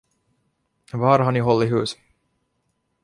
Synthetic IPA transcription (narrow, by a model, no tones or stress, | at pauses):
vɑːɾɦaɳɪɦɔlːɪɦʉ̟ːs